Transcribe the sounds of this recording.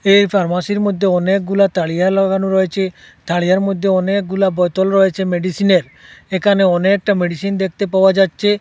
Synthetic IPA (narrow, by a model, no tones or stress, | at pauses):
ejpʰaɾmasiɾmod̪ʱːeɔnek̚ɡulat̪aɭijalɔɡanuɾɔet͡ʃʰe | t̪ʰaɭijaɾmod̪ʱːeɔnek̚ɡulabɔt̪ɔlɾɔet͡ʃʰemeɖisineɾ | ekʰaneɔnek̚ʈameɖisind̪ek̚ʰt̪epaoad͡ʒat̪ːt͡ʃʰe